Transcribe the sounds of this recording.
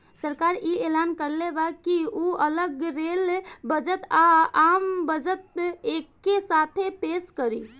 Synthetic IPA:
səɾkaɾielankəɾlebakiuələɡɾelbəd͡ʒət̪aambəd͡ʒət̪ekːesat̪ʰepeskəɾi

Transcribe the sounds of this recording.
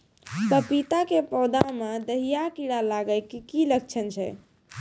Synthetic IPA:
pəpit̪akepɔwd̪amed̪əɦijakiɽalaɡəjkkilək̚t͡ʃʰənt͡ʃʰɛ̰

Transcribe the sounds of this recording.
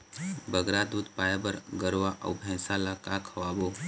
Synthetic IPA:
bəɡɾad̪ud̪pajabəɾɡəɾʋaʔə̰wbʱɛ̃salakakʰɔʋabo

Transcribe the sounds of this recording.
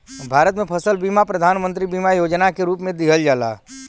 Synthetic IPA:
bʱaːɾət̪mẽpʰəsəlbiːmapɾəd̪ʱaːnmə̃nt̪ɾibiːmajoːd͡ʒnakeɾuːpmẽd̪ɪɦəld͡ʒaːla̰ː

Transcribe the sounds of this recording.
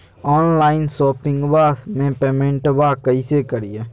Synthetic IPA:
ɔːnlaːɪnsoːpɪŋɡbaːmẽːpeːmẽɳʈbaːkəiseːkəɾijeː

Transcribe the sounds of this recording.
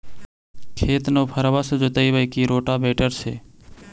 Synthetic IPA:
kʰeːt̪noːpʰəɾʋəsd͡ʒʊt̪əibəikiːɾoːʈaːbeːʈəɾsḛː

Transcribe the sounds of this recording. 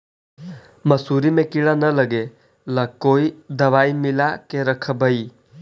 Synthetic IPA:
mɐsuːɾimẽkiɭanələɡe | ləkoːid̪ɐʋaːimɪlakeɾəkʰbʱəiː

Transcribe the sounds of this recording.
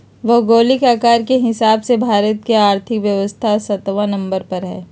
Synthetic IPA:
ʋɐɦɡoːlɪkaːkaːɾkeɦɪsaːbsebʱaːɾət̪keaːɾt̪ʰɪkʋjɐʋəst̪ʰasɐt̪ʋãnɐ̃mbəɾpɐɾɦɛː

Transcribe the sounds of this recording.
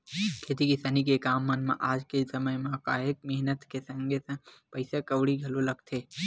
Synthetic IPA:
kʰeːt̪ikisanikekaːmːɐnmḛ̃ʔaːd͡ʒkesɐməjmẽkaːek̚mɛɦnət̪kesə̃ŋɡʱesɐ̃pɐɪsekɐwɽiɡʱɐlolɐɡt̪ʰeː

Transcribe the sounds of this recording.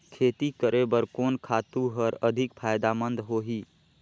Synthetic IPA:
kʰet̪ikəɾebəɾkonkʰat̪uɦəɾəd̪ʱikpʰajd̪amənd̪ɦoɦi

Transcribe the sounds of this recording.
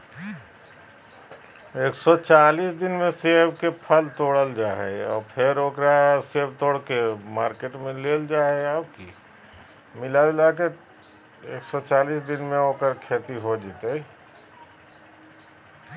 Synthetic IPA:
eːksɔt͡ʃaːliːsd̪ɪnmẽseːbkepʰəlt̪oːɽəld͡ʒaːɦḛɔ̰ːɾpʰɪɾoːkɾaseːbt̪oːɽkemaːɾkeːʈmẽleːld͡ʒaːeaːbki | mɪlalake | eːksɔt͡ʃaːliːsd̪ɪnmẽoːkəɾkʰeːt̪iɦod͡ʒiːt̪e

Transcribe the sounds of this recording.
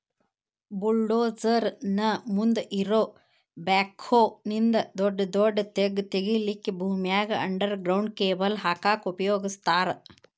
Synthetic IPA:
buɭɖoːd͡ʒɐɾnɐmund̪ʔiɾoː | baːkʰoːnind̪ɐd̪ɔɖːɐd̪ɔɖːɐt̪eɡt̪eɡilikːebʱuːmijaːɡɐɐɳɖɐɾɡɾɐwɳɖ̚keːbɐlɦaːkaːkupɐjoːɡist̪aːɾɐ

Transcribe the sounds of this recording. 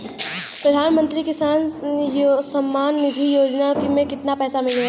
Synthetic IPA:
pɾəd̪ʱaːnmə̃nt̪ɾikɪsaːnjosəmːaːnːɪd̪ʱijoːd͡ʒnakmẽkɪt̪napɛːsamɪl

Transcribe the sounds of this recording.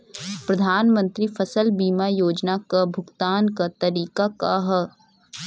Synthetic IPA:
pɾɐd̪ʱaːnmə̃nt̪ɾifʰɐsəlbiːmajoːd͡ʒnakabʱʊɡt̪aːnkat̪ɐɾiːkakaɦ

